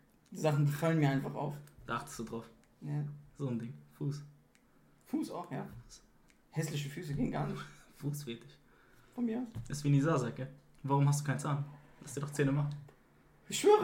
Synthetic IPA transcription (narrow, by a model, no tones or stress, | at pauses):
d̥izaχn̩bəfalənmiɐaɪnfaχa̰ʊfd̥aːaχtə̥std̥uːdʁaʊf | jaz̥oːndɪŋfuːs | fuːsa̰ʊxjaːfuːs | hɛslɪʃ̬əfyːsəɡeːənɡaːnɪfuːsv̥eːtɪç | fɔnmiɐasʔɪstviːnizaːzɛkə | vaːʁʊmhastd̥uːkʰaɪnt͡saːnlastd̥iːdɔχt͡seːnəmaχ | ɪʃv̥øːʁə